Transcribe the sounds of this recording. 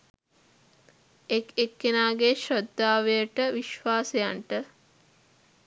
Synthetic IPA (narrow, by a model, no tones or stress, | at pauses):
ekekːenaːɡeʃɾod̪ːaːʋejəʈəʋiʃʋaːsejaɳʈə